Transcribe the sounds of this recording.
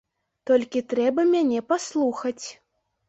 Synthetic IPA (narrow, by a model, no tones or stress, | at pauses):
t̪ɔlʲkʲit̪ɾɛbɐmʲanʲɛpaslˠuxɐt͡sʲ